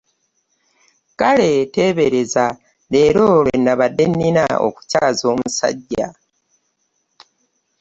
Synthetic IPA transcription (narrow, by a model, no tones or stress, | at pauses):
kale̞te̞ːβeɾeza | le̞ːɾo̞βenːaβadːenːina̰o̰ku̥caːzo̞ːmusa̰ɟːa̰